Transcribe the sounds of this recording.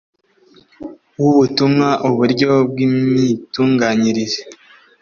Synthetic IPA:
wuβutumŋaʔuβuɾɟo̞b̚ɡimɲituːŋɡaɲiɾiɾe

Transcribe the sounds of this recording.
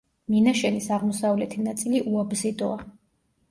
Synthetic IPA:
minaʃɛnisaʁmɔsavlɛt̪ʰinat̪sʼiliʔuabzid̪ɔa

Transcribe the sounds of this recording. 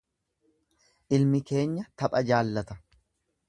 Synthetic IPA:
ʔɪlmɪke̞ːɲːɐt̪ɐpʼɐd͡ʒaːlːɐt̪ɐ

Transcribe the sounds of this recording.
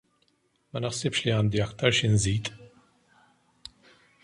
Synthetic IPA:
mɐnɪħsɪpʃliɐːnd̪iɐkt̪ɐɾʃɪnziːt̪

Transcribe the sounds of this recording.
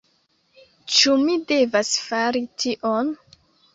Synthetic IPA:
t͡ʃumide̞vasfaɾitʰiʔon

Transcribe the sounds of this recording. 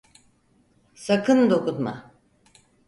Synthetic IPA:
sakʰɯnd̪o̞kut̪ma̰

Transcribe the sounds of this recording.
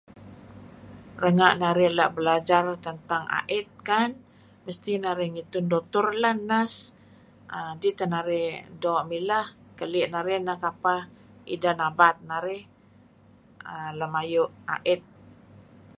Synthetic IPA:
rəŋaʔnaɾɪhlaʔbəlad͡ʒart̪ənt̪aŋa̰ʔɪt̪̚kan | məst̪inaɾɪhŋit̪ʊndot̪ʊrlahnas | ədit̪ənaɾɪhdɔʔmilah | kəlɪʔnaɾɪhnahkapa | ḭdanabat̪̚naɾɪh | əlamajʊʔa̰ʔɪt̪̚

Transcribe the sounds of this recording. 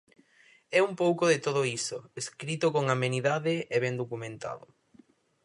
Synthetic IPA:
ɛumpowkʊðet̪oðʊisʊeskɾit̪ʊkoŋameniðaðɪeβɛnd̪okumẽnt̪a̰ðʊ̰

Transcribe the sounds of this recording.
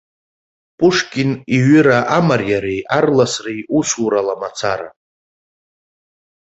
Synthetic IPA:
pʼʊʂkʲʼɪniɥʏɾaʔamarjaɾejʔarlasrejusuɾalamat͡sʰaɾa̰

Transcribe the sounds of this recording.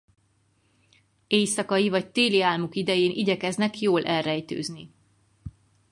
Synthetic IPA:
eːjsɒkɒjivɒct̪eːliaːlmukid̪ɛjeːnʔiɟɛkɛznɛkjoːlʔɛlrɛjt̪ø̰ːzni

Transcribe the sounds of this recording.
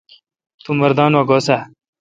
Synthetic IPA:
t̪umɐɾd̪aːnwaɡoːsa

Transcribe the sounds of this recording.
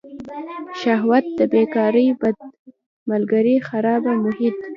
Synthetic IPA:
ʃahwat̪̚d̪əbekɑɾəjbad̪̚ | malɡaɾixaɾɑbamʊhɪt̪

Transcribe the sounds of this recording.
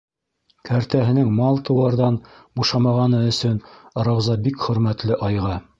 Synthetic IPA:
kʰæɾt̪æɦɘ̆nɘŋmɑlˠt̪ɤ̆w̪ɑɾðɑnbuʃɑmɑʁɑnɤɵ̆sɵnɾɑwzɑbikχɵ̆ɾmæt̪lɘʔɑjʁɑ

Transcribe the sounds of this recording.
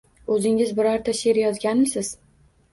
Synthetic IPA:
ɵzɪŋɪzbɪɾaɾt̪ʰaʃeɾjɒzɡʲanmɪsɪz̥

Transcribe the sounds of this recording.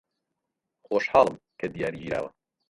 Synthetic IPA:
xoːʃħɑːlˠəmkʰɐd̪ijaːɾid͡ʒiːɾa̰ːwɐ

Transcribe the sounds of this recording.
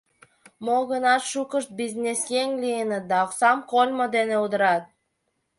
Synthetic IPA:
moɣənɑt̪ʃukəʃt̪̚biznʲesjeŋʲlʲijənət̪̚d̪ɑɑksɑmkolʲmod̪eneud̪əɾɑt̪̚

